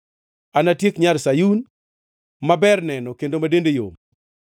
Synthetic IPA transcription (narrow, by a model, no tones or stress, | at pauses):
anatjekɲalsajun | mabɛrnɛnɔkendomadendejo̰m